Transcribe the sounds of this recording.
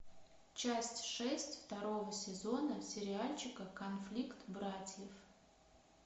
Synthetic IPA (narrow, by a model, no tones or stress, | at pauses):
t͡ɕasʲtʲʂɛsʲtʲft̪ɐɾo̞vəsʲɪzonəsʲɪɾʲɪalʲt͡ɕɪkəkɐnflʲikt̪bɾatʲjef